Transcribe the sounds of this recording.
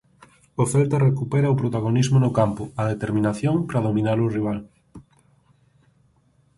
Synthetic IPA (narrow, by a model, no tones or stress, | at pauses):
ofɛlt̪arekupɛɾɐopɾot̪aɣonizmʊnʊkampʊɐðet̪eɾminaθjoŋpɾaðominaɾʊriβ̞al